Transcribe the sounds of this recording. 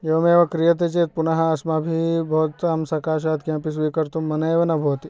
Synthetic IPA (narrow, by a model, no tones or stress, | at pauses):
eʋɐmẽːʋɐkɾijɐt̪̬et͡ʃet̪̚punɐɦɐɐsmabʱibʱoːt̪ɐmsɐkaːʃ̬ad̪kjãpis̬ʋikɐɾt̪umːɐnɐeʋɐnɐbʱoːt̪i